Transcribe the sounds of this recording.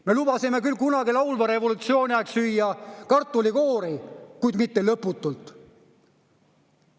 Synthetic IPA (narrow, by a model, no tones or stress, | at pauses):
me̞lubɑsime̞kylkunɑɡilɑwlvɑɾe̞vo̞lut̪sio̞ːnʲiɑksyjːɑkɑrt̪ːˑoliko̞ːɾikujd̪mit̪ːe̞lɤpːˑut̪ːˑult̪ˑ